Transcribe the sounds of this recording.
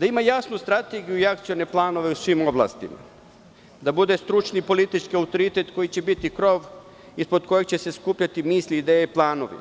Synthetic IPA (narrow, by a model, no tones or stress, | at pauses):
d̪aimajasnust̪ɾat̪eɡijuiakt̪sione̞plˠaːno̞ʋe̞usʋimo̞blˠa̰ːst̪ḭma̰ | d̪abud̪e̞st̪ɾut͡ʃnipo̞lit̪it͡ʃkiaut̪o̞ɾit̪e̞t̪ko̞jit͡ɕe̞bit̪ikɾo̞ːʋ | ispod̪ko̞jek̚t͡ɕe̞se̞skuːpʎat̪imiːslʲiːd̪eːjeiplˠaːno̰ʋḭ